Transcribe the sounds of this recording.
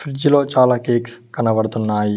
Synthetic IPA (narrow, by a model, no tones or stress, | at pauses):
fɾid͡ʒlo̞ːt͡ʃaːlaːkeːkskɐnɐbɐɽɐt̪unːaːji